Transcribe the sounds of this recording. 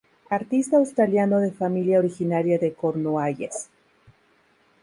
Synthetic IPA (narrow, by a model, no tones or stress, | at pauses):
aɾt̪ist̪aːwst̪ɾaljano̞ðe̞familjaoɾixinaɾjaðekoɾnoaʝes